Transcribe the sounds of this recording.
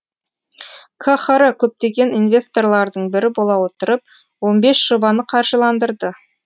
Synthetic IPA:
kʰaχɑɾakʲʰɵp̚t̪e̞ɡʲe̞ninvʲe̞st̪o̞rlˠɑɾd̪əɴbɪɾɪbolˠɑwo̞t̪əɾəp̚ | wo̞nbe̞sʒ̥o̞bɑnəqʰɑɾʒəlˠɑnd̪əɾd̪ə

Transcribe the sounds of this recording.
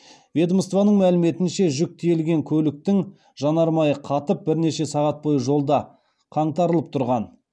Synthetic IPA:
vʲe̞d̪əməst̪vɑnəɴmælɪme̞t̪ɪnʃe̞ʒʏk̚t̪ʰejlɡʲe̞ŋkʲʰɵlɪk̚t̪ɪŋ | ʒɑnɑɾmɑjəqʰɑt̪əp̚bɪɾne̞ʃe̞sɑʁɑt̪̚bo̞jəʒo̞lˠd̪ɑ | qʰɑɴt̪ɑɾəlˠəp̚t̪ʰʊɾʁɑn

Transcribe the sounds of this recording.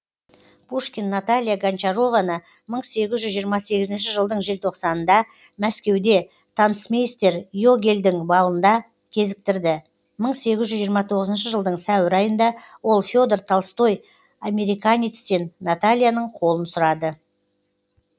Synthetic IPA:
pʰuʂkʲinːat̪alʲijaɡant͡ʃaɾo̞vanə | məɴse̞ɡʲɪzʒʏzʒijəɾmɑse̞ɡʲɪzɪnʃɪʒəlˠd̪əɴʒe̞lt̪ʰo̞qsɑnənd̪ɑ | mæskʲe̞wd̪e̞ | t̪ʰɑnəsmejst̪e̞ɾjo̞ɡʲe̞ld̪ɪŋbɑlˠənd̪ɑ | kʲʰe̞zɪk̚t̪ɪɾd̪ɪ | məɴse̞ɡʲɪzʒʏzʒijəɾmɑt̪ʰo̞ʁəzənʃəʒəlˠd̪əɴsæwɪɾɑjənd̪ɑwo̞lˠfʲo̞d̪ert̪ʰɑlˠst̪o̞j | ame̞ɾijkanʲit̪st̪e̞nːat̪alʲijanəɴqʰo̞lˠənsʊɾɑd̪ə

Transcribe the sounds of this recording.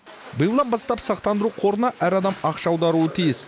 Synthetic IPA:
bəjəlˠd̪ɑnbɑst̪ɑpsɑqt̪ɑnd̪əɾuqʰo̞ɾənɑʔæɾɑd̪ɑmɑqʃɑwd̪ɑɾuət̪ʰijɪs

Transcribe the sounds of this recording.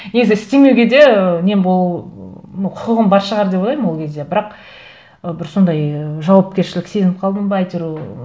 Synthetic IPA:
ne̞ɡʲɪzɪɪst̪e̞me̞wɡʲe̞d̪e̞ənenbolˠ | nqʰʊqəʁəmbɑɾʃəʁɑɾd̪e̞polˠɑjməmwo̞lˠkʲʰe̞zd̪e̞bɪɾɑq | əbɪɾso̞nd̪ɑjʒɑwɑp̚kʲeɾʃɪlɪkse̞zɪnɪp̚qʰɑlˠd̪əmbɑɑjt̪eɾu

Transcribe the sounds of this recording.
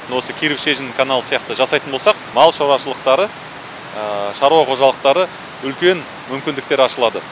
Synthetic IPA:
wo̞səkʲʰeɾɪpʃe̞ʒɪnɪŋkʰanalˠəsijɑqt̪əʒɑsɑjt̪ənbolsɑq̚mɑlˠʃɑɾɑʃəlˠəq̚t̪ɑɾə | ʃɑɾuwɑqʰo̞ʒɑlˠəq̚t̪ɑɾə | ʏlkʲe̞n | mʏmkʲɪnd̪ɪk̚t̪e̞ɾɑʃəlˠɑd̪ə

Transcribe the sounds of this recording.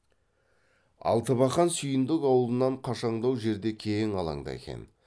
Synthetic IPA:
ɑ̰lˠt̪əβɑχɑnsʏjɪnd̪ɪkɑwəlˠənɑɴqʰɑʃɑɴd̪ɑwʒe̞ɾd̪e̞kʲʰeŋɑlˠɑ̰ɴd̪ɑ̰ḛkʲḛn

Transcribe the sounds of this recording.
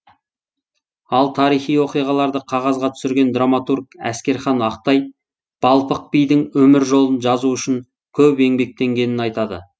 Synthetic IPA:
ɑlˠt̪ʰɑɾijχijwo̞qijʁɑlˠɑɾd̪əqʰɑʁɑzʁɑt̪ʰʏ̥sɪɾɡʲe̞nd̪ramat̪urkæ̰skʲe̞ɾχɑnɑq̚t̪ɑj | b̥ɑlˠpəq̚pijd̪ɪŋwɵmɪɾʒo̞lˠənʒɑzuʏʃɪŋ | kʲʰɵpe̞ŋbe̞k̚t̪e̞ŋɡʲe̞nɪnɑjt̪ɑd̪ə̰

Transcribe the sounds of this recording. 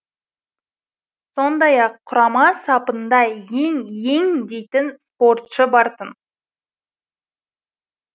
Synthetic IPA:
so̞nd̪ɑjɑqʰːʊɾɑmɑsɑpənd̪ɑje̞ŋje̞ŋd̪e̞jt̪ɪnspo̞rt̪ʃəbɑɾt̪ən

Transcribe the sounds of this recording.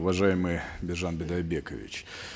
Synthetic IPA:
ʊvɐʐajɪmɨjbʲɪʐanbʲɪd̪ɐbʲekə̰vʲɪ̰t͡ɕ

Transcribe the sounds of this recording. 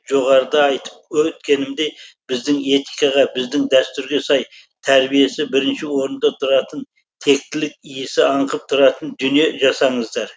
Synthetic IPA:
ʒo̞ʁɑɾəd̪ɑɑjt̪ə̥p̚wɵt̪kʲe̞nɪmd̪ejb̥ɪzd̪ɪŋe̞t̪ijkɑʁɑbɪzd̪ɪŋd̪æst̪ʏɾɡʲe̞sɑj | t̪ʰæɾbije̞sɪbɪɾɪnʃɪwo̞ɾənd̪ɑt̪ʰʊɾɑt̪ən | t̪ʰe̞k̚t̪ɪlɪk̚ijɪsɪɑɴqəp̚t̪ʰʊɾɑt̪ənd̪ʏnije̞ʒɑsɑɴəzd̪ɑɾ

